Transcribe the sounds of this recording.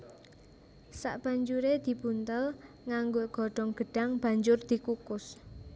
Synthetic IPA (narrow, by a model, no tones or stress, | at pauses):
sa̰ʔb̥a̤ɲd͡ʒuɾed̪̥i̤b̥ṳnt̪əl | ŋaŋɡoɡ̥ɔ̤ɖ̥ɔ̤ŋɡ̥ə̤ɖ̥a̤ŋb̥a̤ɲd͡ʒʊrd̪̥i̤kukʊs